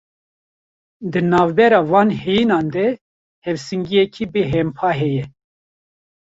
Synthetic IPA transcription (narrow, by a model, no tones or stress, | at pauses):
d̪ɨnɑːvbɛɾɑːvɑːnhɛjinɑːnd̪ɛ | hɛvsɨŋɡijɛkʰibeɦɛmpʰɑːɦɛjɛ